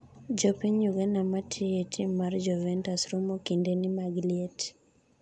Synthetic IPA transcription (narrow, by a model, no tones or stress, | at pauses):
d͡ʒɔpiɲuɡenamatʰɪjetʰɪmːard͡ʒɔvɛntasɾomokindenɪmaɡlɪet